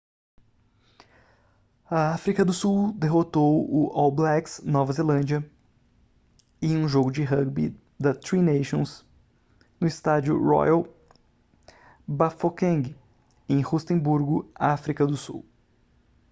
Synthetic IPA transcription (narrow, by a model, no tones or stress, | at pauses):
ɐafɾikɐd̪ʊsuwd̪eɦot̪owʊʔɔwblɛksnɔvɐzelɐ̃d͡ʒiɐ | ẽj̃ũʒoɡʊd͡ʒɪɦɐɡbḭ | d̪ɐt̪ɾineʃõs | nʊɪst̪ad͡ʒʊ̰ɾɔ̰jɐw | bafokẽɡɪ | ẽj̃hust̪ẽbuɾɡʊaafɾikɐd̪ʊsṵw